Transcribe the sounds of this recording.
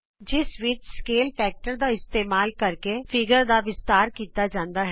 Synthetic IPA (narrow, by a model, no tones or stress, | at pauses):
d͡ʒɪsʋɪd͡ʒskeːlpɛːk̚ʈəɾd̪aɪst̪eːmaːlkɐɾkefɪɡəɾd̪aʋɪst̪aːɾkiːt̪ad͡ʒãːnd̪aɦɛ